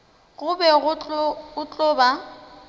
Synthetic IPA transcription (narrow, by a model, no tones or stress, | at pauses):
ɣʊbɛɣʊʊt͡ɬʼɔːba